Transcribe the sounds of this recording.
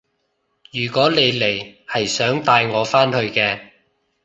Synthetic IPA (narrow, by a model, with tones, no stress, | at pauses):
jyː˨˩kɔː˨˥le˨˧jle˨˩jhɐ˨jsœː˨˥ŋt̪aː˧jŋɔː˨˧faː˥nhɵ˧ɥkɛː˧